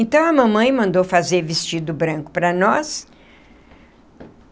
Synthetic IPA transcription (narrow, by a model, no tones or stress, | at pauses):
ẽnt̪ɐ̃w̃ɐmɐ̃mɐ̃j̃mɐ̃nd̪owfazeɾvist͡ʃid̪ʊbɾɐ̃ŋkʊ̥pɾɐnɔs